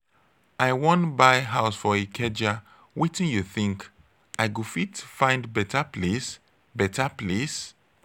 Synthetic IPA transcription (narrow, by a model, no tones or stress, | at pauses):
aɪwɔ̃nbaɪɦaʊsfɔekʰɛd͡ʒa | witĩnjuθĩŋk | ʔaɪɡofitfãɪ̃ndbɛtaples | bɛtaples